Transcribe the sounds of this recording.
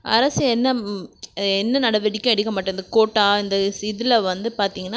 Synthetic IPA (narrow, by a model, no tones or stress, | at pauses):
ʔɐ̰ɾɐsɯɛnːɐ | ɛnːɐnɐɽɐʋɛɽɪkʲːʊ̃ɛɽɪkːɐmaːʈːɐ̃ɪnd̪ɐkoːʈːaːɪnd̪ɐsɪðɪlɐʋɐnd̪ɯpaːɾt̪iːŋɡɐnː